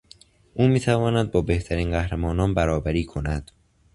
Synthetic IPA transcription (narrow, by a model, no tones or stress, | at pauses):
ʔuːmiːt̪ʰævɒːnæd̪̚bɒːbe̞ht̪ʰæɾiːnɢæhɾemɒːnɒːnbæɾɒːbæɾiːkʰo̞næd̪̥